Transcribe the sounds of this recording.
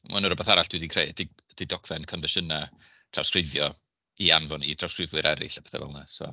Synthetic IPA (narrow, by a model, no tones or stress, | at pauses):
ma̰nuɾɔbɛθaɾaɬd̥widikʰrejdʰi | d̥idɔkʰv̥ɛnkʰɔnvɛʃəna | tʰr̥a̰wskrɪvjɔ | ianvɔnitʰrawskrɪvwɨɾʔɛɾɪ̰ɬab̥ʰɛ̥θɛ̰vɛ̰lˠnasɔ̰